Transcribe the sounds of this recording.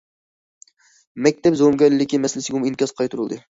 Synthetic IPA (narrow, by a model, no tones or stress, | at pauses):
mɛk̚ʲt̪ʰɛpzowmɡʲɛɾlɪːɪkʲimɛslɪsɪɡʲɛuminkʲɑzqʰɑjt̪ʰuɾulˠd̪ɨ